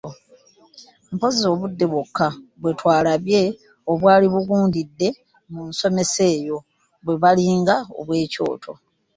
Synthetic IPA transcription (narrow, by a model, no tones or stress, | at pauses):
mpo̞zo̞ːβudːe̞βwokːaβwe̞twaːlaβje̞ | o̞βwaːliβuɡuːndidːe̞ | munso̞me̞se̞ːjo̞ | βwe̞βaliːŋɡao̞̰βwe̞ːco̞̰ːtʰo̞̰